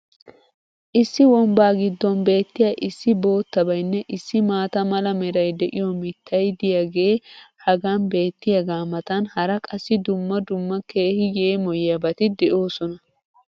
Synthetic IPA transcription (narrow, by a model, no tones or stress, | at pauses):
ʔɪsːɪwɔmbaːɡɪd̪ːɔnbe̞ːt̪ːɪjaʔɪsːɪbo̞ːt̪ːɐbɐjnːɛʔɪsːɪmaːt̪ɐmɐlɐmɛɾɐjd̪ɛʔɪjɔmɪt̪ːɐjd̪ɪjaɡe̞ːhɐɡaːnbe̞ːt̪ːɪjɐɡaːmɐt̪ɐnhɐɾɐkʼɐsːɪd̪ʊmːɐd̪ʊmːɐke̞ːhɪjeːmɔjjɐbɐt̪ɪd̪ɛʔo̞ːsɔnɐ